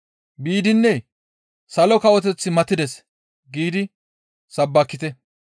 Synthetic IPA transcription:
biːd̪ɪnːɛ | sɐlɔkɐwɔt̪̬ɛt͡sːɪmɐt̪ːɪd̪ɛs | ɡiːd̪ɪ | sɐbːɐkːɪt̪ɛ

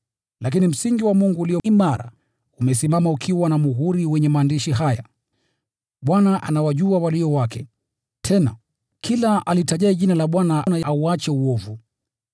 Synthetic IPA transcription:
lak̬inim̩siŋɡiwamuŋɡuːliɔimaɾa̰ | umɛsimamaukʰiwanamuɦuɾiwɛɲɛmaːndiʃiɦaja̰ | ɓwanaʔa̰nawaʄuawaliɔwakʰɛ | tʰɛna̰ | kʰilaʔalitaʄaiʄinalaɓwananajauat͡ʃɛuɔvu

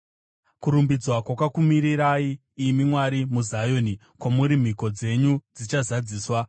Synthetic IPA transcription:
kuɾumbid͡zwakwakakumiɾiɾaiː | mimwaɾimuzajoni | kwamuɾim̤iko̞d͡ze̞ɲud͡zit͡ʃazad͡ziːswa

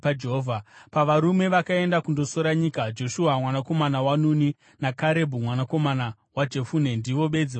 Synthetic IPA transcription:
d͡ʒeɦovʱapaʋaɾume̞ʋakae̞ndakundo̞so̞ɾaɲikad͡ʒo̞ʃuamwanako̞manawanuni | nakaɾe̞bʱumwanako̞mana | wad͡ʒe̞fune̞ndiʋo̞ɓe̞d͡zi

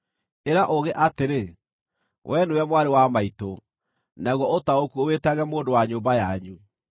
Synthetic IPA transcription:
eɾaʔoɣeʔateɾe | wʔɛnuɛmwaɾewamaito | naɣwɔotaokuowetaɣɛmoːndowaɲoːmbajaɲu

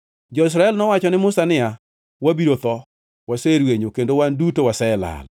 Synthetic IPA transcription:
d͡ʒɔɪs̬ɾaɛlnɔwat͡ʃɔnɪmʊsanɪa | wabiɾot̪ɔ | waseɾweɲokendowandutowasɛla̰l

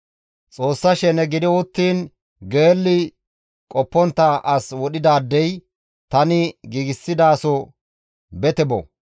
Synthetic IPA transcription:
t͡sʼo̞ːsːɐʃɛnɛɡɪd̪ɪwʊt̪ːiːn | ɡeːlːɪ | kʼɔpːɔnt̪ːɐʔɐswɔɗɪd̪aːd̪ːɛj | t̪ɐnɪɡiːɡɪsːɪd̪aːsɔ | bɛt̪ɛbɔ̰

